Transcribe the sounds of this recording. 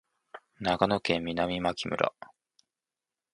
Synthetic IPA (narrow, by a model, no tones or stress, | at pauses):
naɡano̞kẽ̞mːʲinamʲimakʲimɯ̟̰ɾʔa̰